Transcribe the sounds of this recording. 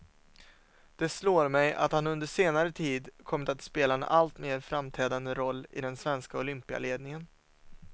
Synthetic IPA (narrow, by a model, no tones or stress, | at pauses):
d̪̥ɛsloːɾmɛjʔa̰t̪hanɵnd̪əʂeːnaɾət̪ʰiːd̪kʰɔmːɪt̪at̪speːlaɛnʔa̰lt̪meːɾfɾamt̪ʰɛːd̪and̪əɾɔlːɪ̰d̪ɛnsvɛnskaʊlʏmpɪa̰leːd̪nɪŋən